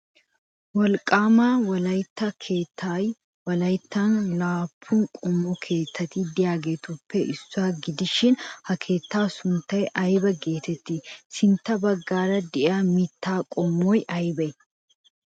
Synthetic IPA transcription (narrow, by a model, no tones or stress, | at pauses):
wɐlkʼaːmaːwɐlɐjt̪ːɐkʰeːt̪ːaj | wɐlɐjt̪ːaːnlaːpʰːuːŋkʼɔmːɔkʰe̞ːt̪ʰːɐt̪iːd̪ɪjaːɡet̪ʊpːɛʔɪsːʊaːɡɪd̪ɪʃːɪnhɐkʰe̞ːt̪ːaːsʊnt̪ɐɛʔɐjbɐɡeːt̪ɛt̪ːɪsɪnt̪ɐbɐɡːaːɾɐd̪ɪʔaːmit̪ːaːkʼɔmːoːjʔɐjbɐ